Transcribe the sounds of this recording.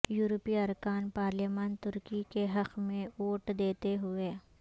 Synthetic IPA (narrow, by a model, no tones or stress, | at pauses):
juːɾpiɐɾkaːnpaːɾleːmaːnt̪ʊɾkikeɦɐqmẽoːʈd̪eːt̪eɦʊeː